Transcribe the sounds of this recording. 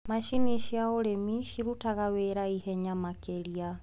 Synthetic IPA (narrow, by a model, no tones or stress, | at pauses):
maʃiniʃiaoɾemiʃiɾutaɣawɛɾaihɛɲamakɛlia